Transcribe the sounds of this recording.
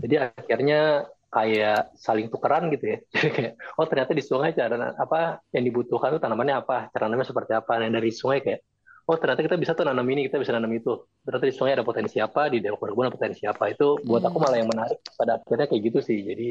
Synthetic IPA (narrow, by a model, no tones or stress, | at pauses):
d͡ʒadiakɪrɲakajaʔsalɪŋt̪ukəɾanɡit̪ujad͡ʒadikajaʔɔht̪ərɲat̪adisuŋajt͡ʃaɾana̰apajaŋdibut̪uhkant̪ut̪anamanɲaːpat͡ʃaɾananamɲasəpərt̪iapanjaŋdaɾisuŋajkajaʔ | ɔht̪ərɲat̪akit̪abisat̪ɔnanaminikit̪abisananəmit̪u | t̪ərɲat̪adisuŋajadapot̪ɛnsiapadidalmkuwadakabuanapo̥t̪ɛnsiapait̪ubuat̪akumalajaŋmənaɾɪk̚padaːkɪrɲakajaɡit̪usɪhd͡ʒadi